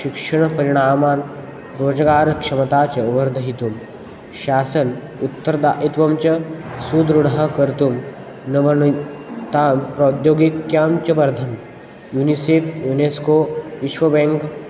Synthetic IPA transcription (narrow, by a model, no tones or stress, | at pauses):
ʃikʂɐɳ̃pɐɾiɽ̃aːmaːn | ɾoːd͡zɡaːɾkʂɐmɐt̪at͡ɕɐʋɐɾd̪ʱɐɦit̪um | ɕaːsən | ut̪ːəɾd̪a̰ʔit̪ʋɐmt͡ɕɐsud̪ɾuɽakɐɾt̪um | nɐʋɐɳt̪ampɾot̪joːɡikjaːmt͡ɕɐʋɐɾd̪ʱɐm | juniseːfʰjuneskoiʃʋɐbẽŋk